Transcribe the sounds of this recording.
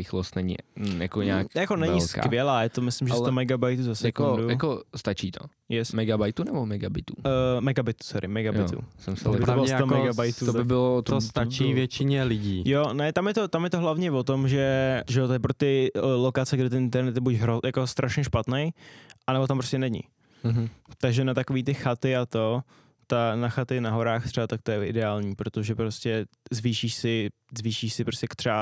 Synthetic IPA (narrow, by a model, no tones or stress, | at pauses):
ɪxlost̪nɛɲɪ̰ja̰koɲa̰ːkjakonɛɛɲɪlska̰kvɪjɛlaːjat̪omɪslɪmʒɛsomɛɡabajt̪uzasɛjakodujjakost̪at͡ʃiːt̪ʰo | jɛsmɛɡabajt̪unɛbomɛɡabɪt̪umɛɡabɪt̪u̥t͡sɛɾʔɪ̰mɛɡajɪ̰t̪ṵsɛmsbɪɾt̪obɪlsomɛɡabajt̪ut̪obɪbɪlot̪ost̪at͡ʃivjɛt͡ʃɪɲɛlɪɟiːjonɛt̪amjɛt̪ot̪amjɛt̪oɦlavɲɛvot̪omʒɛʒɛot̪ojɛpɾot̪ɪlokat͡sɛɡdɪt̪̬ɛnʔɪnt̪ɛɾnɛt̪jɛbucɦɾojakost̪ɾʔaʃɲɛʃpat̪nɛjʔanɛbot̪ampɾoscɛnɛɲɪ̰ | t̪aɡʒɛnat̪akoviːt̪ɪxat̪ɪat̪o̞ | t̪anaxat̪ɪnaɦo̞ɾaːxt̪r̥ɛbat̪ak̚t̪ojɛʔɪ̰dɛaːlɲiːpɾot̪oʒɛpɾoscɛzviːʃiːʃsɪ | zviːʃiːʃsɪpɾoscɛkt̪r̥ɛba